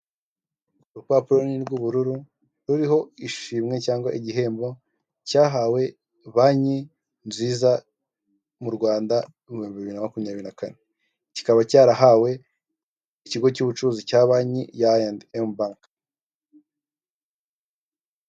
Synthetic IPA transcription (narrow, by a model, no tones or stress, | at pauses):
uɾupapuɾoniɾɡuβuɾuɾu | ɾuɾiɦo̞iʃiːmŋe̞caːŋɡwa̰ʔiɟiɦe̞ːmbo̞ | caːɦaːwe̞ | βaɲi | nziːza | muɾɡwaːnda | umuioːmbiβiβiɾinamakumɲaːβiɾinakane | ci̥kaβacaːɾaɦawe̞ | iciɡo̞cuβut͡ʃuzicaːβaɲijaendembaŋk